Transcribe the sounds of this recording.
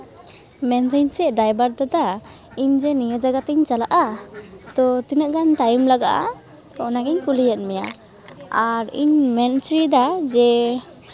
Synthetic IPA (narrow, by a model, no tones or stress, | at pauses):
mɛnt̪aɲsɛʔ̚ɖajbaɾd̪ad̪a | iɲd͡ʒɛnijɔd͡ʒaɡat̪ɛɲt͡ʃalaʔat̪ɔt̪inəʔɡanʈajmlaɡaʔa̰t̪ɔɔnaɡɛɲkulijat̪̚ˀmɛja | aɾḭɲmɛnt͡ʃɾid̪ad͡ʒɛ